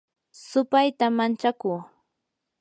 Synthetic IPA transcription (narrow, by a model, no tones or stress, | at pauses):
sʊpajt̪amant͡ʃakuː